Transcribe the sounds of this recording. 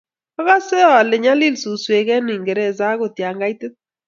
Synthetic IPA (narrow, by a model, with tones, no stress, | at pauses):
a˦ɣa˦sɛ˦ɔ˦˨lɪ˨ɲa˦li˦lsu˨swe˨ɣɛ˦nɪ˨ŋɡɛ˨ɾɛ˦˨za˦ɡo˨tja˨ŋɡa˦i˦tɪ˦t̚